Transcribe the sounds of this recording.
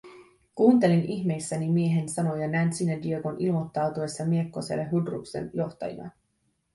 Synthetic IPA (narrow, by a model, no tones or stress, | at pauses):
kuːnt̪e̞liniçme̞jsːænimie̞ɦe̞nsɑno̞jɑnænsinːædiøɡo̞nʔilmo̞t̪ːɑwt̪ue̞sːɑmiekːo̞sḛlːeɦudrṵksḛnjo̞ht̪ɑ̰jḭnɑ̰